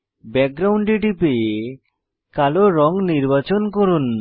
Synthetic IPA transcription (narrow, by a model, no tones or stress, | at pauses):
bɛk̚ɡɾawɳɖɖiʈipe | kaloɾɔŋniɾbat͡ɕonkoɾun